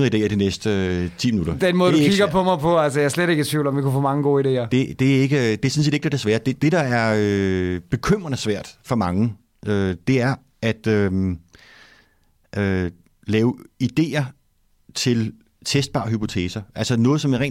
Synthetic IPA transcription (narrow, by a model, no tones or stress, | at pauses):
ɐid̥e̝̰ːɐd̥inesd̥ət͡sʰḭːminuɾɐd̥enmɔ̽ːðˠuiɡɐpʰɒ̽mɑ̈ɪpʰɔ̽ælsəjaæɐsleɾe̝ɡ̥ət͡sʰʋiʊl̩ɒ̽mʋikufɔ̰ːmɑ̈ŋəɡ̥o̝ːide̝̰ːɐd̥e̝d̥e̝æe̝ɡ̥əd̥e̝ɐsense̝ːd̥eɡ̥æɐd̥e̝sʋæːɐd̥e̝d̥e̝d̥ɑ̈æɐøb̥e̝kʰøm̰ʁɐnəsʋæɐ̰d̥fɒ̽mɑ̈ŋə | ød̥e̝æɐ | æd̥øm | ʔø | lɛːʊid̥e̝̰ːɐ | t͡sʰe̝l | t͡sʰesd̥̚b̥ɑ̈ːɦypʰo̝t͡sʰḛːsɐʔælsɐnɔ̽ːð̩ˠsɒ̽meʁɛ̰ː